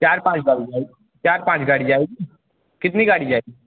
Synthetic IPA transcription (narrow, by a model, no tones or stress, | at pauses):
t͡ʃaːɾpãːt͡ʃɡaːɽid͡ʒaːeɡi | t͡ʃaːɾpãːt͡ʃɡaːɽid͡ʒaːeɡi | kɪt̪niɡaːɽid͡ʒaːeɡi